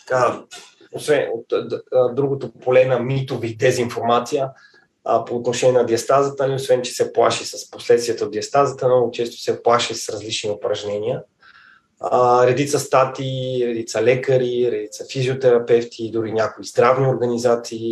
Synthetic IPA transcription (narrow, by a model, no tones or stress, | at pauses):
t̪ɐ̥ka | osvɛnot̪d̪ɾuɡot̪opolɛnɐmit̪ovit̪ɛziːnfoɾmat̪sijə | poːt̪noʃɛnʲiɛnɐd̪iɐst̪azət̪əliosvɛnt͡ʃɛ̥sɛplˠaʃisəsposlɛt̪st̪vʲiɛt̪əod̪d̪iɐst̪azət̪ənɔɡot͡ʃɛst̪o̥sɛplˠaʃisɾɐzlit͡ʃniopɾɐʒnɛniə | ɾɛd̪it̪səst̪at̪iːɾɛd̪it̪səlɛkəɾiɾɛd̪it̪səfizʲiot̪ɛɾɐpɛft̪ʰid̪ʊɾinʲjakoizd̪ɾavnioɾɡənizat̪siː